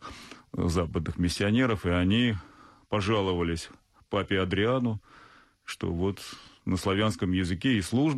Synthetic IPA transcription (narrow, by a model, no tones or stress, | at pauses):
zapəd̪nɨxmʲɪsʲːɪɐnʲe̞ɾəfɨɐnʲipɐʐalˠəvəlʲɪsʲ | papʲɪɐd̪ɾʲɪanʊ | ʂt̪o̞̰vo̞t̪nəslˠɐvʲanskəmjɪzɨkʲeɪslˠuʐb